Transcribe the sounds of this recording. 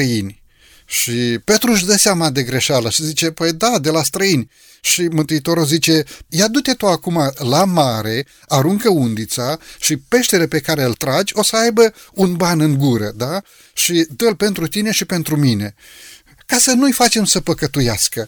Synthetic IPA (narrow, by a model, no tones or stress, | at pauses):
əinʲ | ʃipe̞t̪ɾuʃ̬d̪əseamad̪e̞ɡɾe̞ʃaləʃizit͡ʃe̞pəjd̪ad̪e̞last̪ɾəinʲ | ʃimɨnt̪uit̪o̞ɾozit͡ʃe̞jad̪ut̪e̞t̪oakumalamaɾe̞ | aɾuŋkəund̪it̪saʃipe̞ʃt̪e̞lepe̞kaɾe̞ɨlt̪ɾad͡ʒʲo̞səajbəunbanɨŋɡuɾəd̪a | ʃid̪əlpe̞nt̪ɾut̪ine̞ʃipe̞nt̪ɾumine̞ | kasənujfat͡ʃe̞msəpəkət̪ujaskə